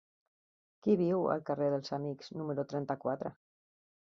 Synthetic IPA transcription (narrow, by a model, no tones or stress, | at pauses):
kiβiwə̰lˠkəreðəlˠzamikz̥numəɾut̪ɾɛnt̪akwat̪ɾə̰